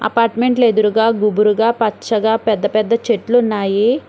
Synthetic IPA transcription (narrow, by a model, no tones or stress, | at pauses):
ɐ̰paːɾʈmeɳʈleːd̪uɾuɡaːɡubuɾuɡaːpɐt͡ʃːɐɡaːpɛd̪ːɐpɛd̪ːɐt͡ʃeʈlunːaːji